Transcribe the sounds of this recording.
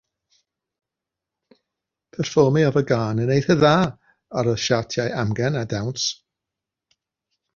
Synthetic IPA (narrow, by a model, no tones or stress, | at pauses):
pʰɛrfɔmiavəɡaːnənejθəðaː | aɾɔʃatʰjajamɡɛnadawns